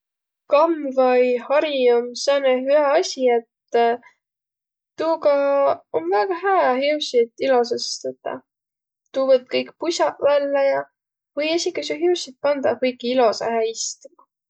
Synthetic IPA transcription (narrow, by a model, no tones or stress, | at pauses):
kɑmvɑjhɑɾiomseneɦyeɑsʲie̞t̪ | uːɡɑonvæɡ̥ɑɦæːɑɦeusit̪ilo̞s̬esst̪ɑt̪ːˑɑ̰ | t̪uːvɤt̪̚ːkɤjkpusʲɑʔvælːejɑ | vɤjesʲikːˑɑs̬uɦeuwsit̪̚pɑnd̪ɑkɯjkiilo̞sɑ̰hæːist̪umɑ